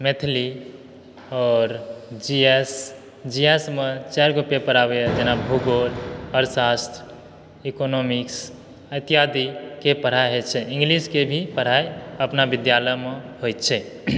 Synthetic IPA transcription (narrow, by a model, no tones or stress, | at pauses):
met̪ʰli | ɔːɾd͡ʒies | d͡ʒiesmet͡ʃaɾɡopepəɾabed͡ʒenabʱuɡoləɾsast̪ʰ | ikonomiks | ət̪ijad̪ikepəɽ̤aɦet͡ʃʰɛĩŋɡliskebʱipəɽ̤aejəpnabid̪jaləmeɦojt̪t͡ʃʰɛ